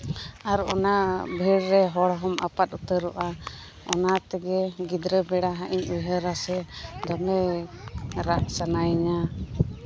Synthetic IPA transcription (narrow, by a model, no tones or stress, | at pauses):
aɾɔnabʱiɽɾɛɦɔɽɦɔmʔa̰pat̪̚ut̪əɾɔʔa | ɔnat̪ɛɡɛɡid̪ɾəbɛɽaɦaʔiɲujɦəɾasɛd̪ɔmɛ | ɾaʔsanajɲa